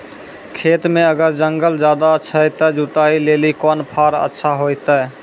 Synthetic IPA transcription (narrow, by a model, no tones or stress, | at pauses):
kʰet̪mẽəɡəɾd͡ʒəŋɡəld͡ʒad̪aətːʃʰajt̪əd͡ʒut̪ailelikɔnpʰaɾə̰tːʃʰaɦojt̪ə